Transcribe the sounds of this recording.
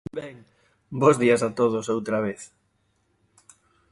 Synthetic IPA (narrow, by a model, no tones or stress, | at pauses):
bɛŋ | bozðiɐsat̪oðosowt̪ɾaβeθ